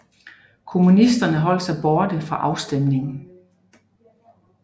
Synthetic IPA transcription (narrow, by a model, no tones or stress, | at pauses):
kʰo̝munisd̥ɐnəɦɒ̽l̰sæb̥ɔːd̥əfʁɑ̈ʔɑ̈ʊsd̥emne̝ŋ̩